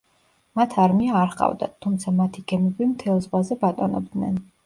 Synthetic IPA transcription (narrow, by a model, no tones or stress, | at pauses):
mat̪ʰaɾmiaːɾχʼa̰vd̪a̰t̪ʰumt̪sʰamat̪ʰiɡɛmɛbimt̪ʰɛlˠzʁwazɛbat̪ʼɔnɔ̰b̚d̪nɛn